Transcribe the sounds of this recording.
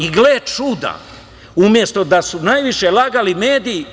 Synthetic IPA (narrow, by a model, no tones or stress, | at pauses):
iɡleːt͡ʃud̪a̰ | umje̞st̪o̞d̪asunajʋiʃelaɡalimeːd̪iji